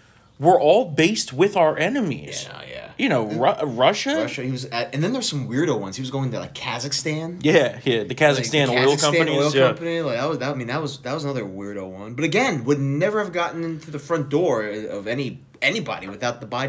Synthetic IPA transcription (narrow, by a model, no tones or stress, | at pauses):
wɪɹʔɔlˠbeɪst̚wɪðaʊə˞ʔɛnɨmḭz̥̰jæ̰jɨnoʊɹʌɹʌʃɨɹʌʃɨhiwʌzʌɨ̃nðɨ̃nðə˞z̥sʌ̃mwɪɹɾoʊwʌ̃nz̥iwʌzɡoʊɪ̃ŋtʰɨla̰ɪkʰæzɨkstæ̃njæjæðɨkʰæzɨstæ̃nɪlˠkʰʌ̃tæ̃pəniɪl̩ˠjʌmpɨnilaɪk̚ðət̚wʌzðət̚aɪmĩnðət̚wʌzðət̚wʌzənʌðə˞wɪɹɾoʊwʌ̰̃nbʌɾɨɡɛ̃nwədⁿnɛvə˞ɨvɡɑʔn̩ɪ̃ntʰʉðɨfɹʌ̃nd̥ɔɹʌvɛni | ɛnibɑ̰ɾḭwɨθaʊt̪̚ðəbaɪ